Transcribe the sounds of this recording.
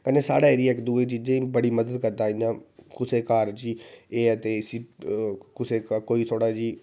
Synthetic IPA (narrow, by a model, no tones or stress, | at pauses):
kənesa̰ːɽaːeɾiɛkd̪uːet͡ʃiːd͡ʒẽːĩbəɽiməd̪əd̪kəɾt̪aːĩnãːkʊseːkaːɾd͡ʒiːeːɛt̪eɪsiːkʊsekaːkoːit̪ʰoːɽaːd͡ʒiː